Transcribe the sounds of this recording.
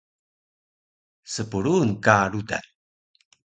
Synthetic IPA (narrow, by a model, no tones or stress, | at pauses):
səpuɭunkaɾuta̰n